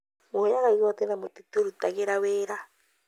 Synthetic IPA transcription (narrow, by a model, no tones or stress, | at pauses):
mojaɣaiɣɔt̪enamotitoɾutaɣeɾaweːɾa